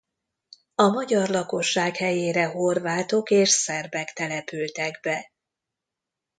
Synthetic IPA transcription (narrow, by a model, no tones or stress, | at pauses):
ɒmɒɟɒrlɒko̞ʃːaːkhɛjeːɾɛɦo̞rvaːt̪o̞keːʃsɛrbɛkt̪ɛlɛpylt̪ɛɡbɛ